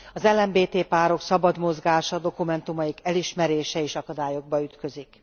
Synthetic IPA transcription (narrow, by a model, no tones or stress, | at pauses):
ɒzɛlːɛmbeːt̪eːpaːɾo̞ksɒbɒd̪mo̞zɡaːʃɒd̪o̞kumɛnt̪umɒikɛliʃmɛɾeːʃɛeːʃɒkɒd̪aːjo̞ɡ̚bɒyt̪kø̞zik